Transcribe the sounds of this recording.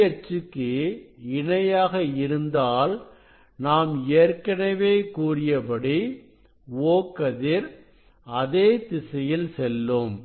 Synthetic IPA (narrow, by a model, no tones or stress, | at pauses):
ɐɾt͡ʃɯkːɯɪɳɐjaːɣɐɪɾɯnd̪aːl | naːmeːɾkɐnɐʋeːkuːrɪjɐpɐɽi | oːkːɐðɪɾ | ɐðeːt̪ɪsɐjɪlsɛlːɯm